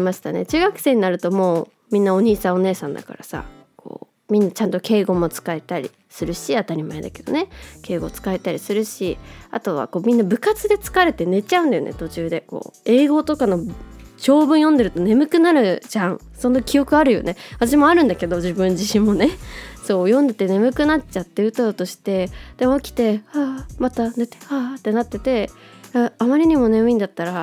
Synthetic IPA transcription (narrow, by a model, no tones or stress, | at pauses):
maɕi̥t̪ane̞̰t͡ɕɨːɡakɯ̟̥se̞ːɲ̟inaɾɯ̟t̪o̞mo̞ː | mʲĩnːao̞ɲ̟iːsão̞ne̞ːsãnd̪a̰ka̰ɾasa̰kʰo̞̰ː | mʲĩnːat͡ɕãnt̪o̞ke̞ːɡo̞mo̞t͡sɨ̥kae̞t̪aɾʲḭ | sɨɾɯ̟ɕiat̪aɾʲimaed̪a̰ke̞̥d̪o̞̰ne̞ke̞ːɡo̞ːt͡sɨ̥kaet̪aɾʲisɨɾɯ̟ɕiat̪o̞βa̰ko̞ːmʲĩnːabɯ̟kat͡sɨd̪e̞t͡sɨ̥kaɾe̞t̪e̞ne̞t͡ɕaɯ̟̃nd̪ajonḛt̪o̞t͡ɕɨːd̪e̞ko̞̰ːe̞ːɡo̞t̪o̞kano̞t͡ɕo̞ːbɯ̟̃ɰ̃jõ̞nd̪e̞ɾɯ̟t̪o̞ne̞mɯ̟kɯ̟naɾɯ̟ʑãŋ̃ | so̞no̞kʲijo̞kɯ̟aɾɯ̟jo̞̰ne̞βat̪aɕ̬imo̞aɾɯ̟̃nd̪ake̞d̪o̞ʑibɯ̟̃ɲ̟d͡ʑiɕĩmːo̞ne̞so̞ːjõ̞nd̪e̞t̪e̞ne̞mɯ̟kɯ̟nat͡ɕat̪ːe̞ɯ̟t̪ot̪o̞ɕi̥t̪e̞d̪̥emoːkʲi̥t̪e̞amat̪ane̞t̪e̥hat̪ːe̞nat̪ːe̞t̪e̞aamaɾʲiɲ̟imo̞ne̞mɯ̟ĩnd̪at̪ːaɾa